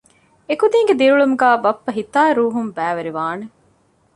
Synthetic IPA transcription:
ekud̪iːŋɡed̪iɾuɭumuɡæːbɐpːɐɦit̪aːɾuːɦumbæːʋeɾiʋaːne

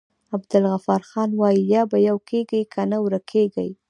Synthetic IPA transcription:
abd̪ɪlɣafɑɾxɑnwɑjijɑbajawkʰeɡajkʰanawɾakʰeɡaj

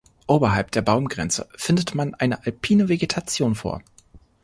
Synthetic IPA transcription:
ʔoːbɐɦalp̚d̥eːɐbaʊmɡʁɛnt͡sə̰fɪndətmanʔaɪnəʔalpʰiːnəveɡetʰat͡sjoːnfo̰ːɐ

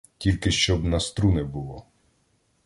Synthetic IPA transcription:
tʲilʲkɪʃt͡ʃɔbnɐst̪ɾunɛbʊlˠɔ

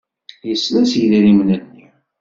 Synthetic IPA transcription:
jəsːlæsjðiɾimnənːi

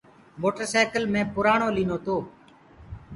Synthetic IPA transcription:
moːʈəɾsɛːkəlmẽːpʊɾaːɳoːlĩːnoːt̪oː

